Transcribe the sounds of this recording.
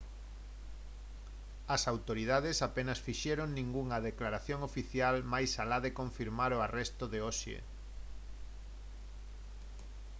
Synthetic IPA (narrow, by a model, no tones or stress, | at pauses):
ɐsawt̪oɾið̞aðesapenɐsfiʃɛɾoŋnĩŋɡuŋɐðeklaɾaθjoŋofiθjalmajsalaðekõɱfiɾmaɾoarɛst̪oðeoʃḛ